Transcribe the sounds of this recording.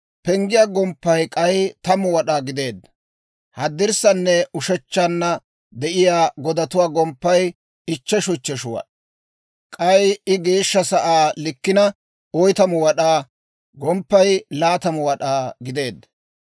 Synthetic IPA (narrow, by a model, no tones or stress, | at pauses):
pɛŋɡɪjaːɡɔmpːɐjkʼɐjt̪ɐmʊwɐɗaːɡɪd̪e̞ːd̪ːɐ | hɐd̪ːɪɾsɐnːɛʊʃɛt͡ʃːanːɐ | d̪ɛʔɪjaːɡɔd̪ɐt̪ʊwaːɡɔmpːɐj | ɪt͡ʃːɛʃʊt͡ʃːɛʃʊwɐ̰ɗɐ | kʼɐjɪɡe̞ːʃːɐsɐʔaːlɪkːɪnɐ | ɔjt̪ɐmʊwɐɗaː | ɡɔmpːɐjlaːt̪ɐmʊwɐɗaːɡɪd̪e̞ːd̪ːɐ